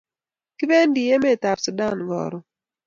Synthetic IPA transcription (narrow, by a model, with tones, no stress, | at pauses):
kɪ˦be˦ndi˨je˦mɛ˦˨ta˨ɾsu˨da˦˨nɡɔ̰˨ɾɔ˦˨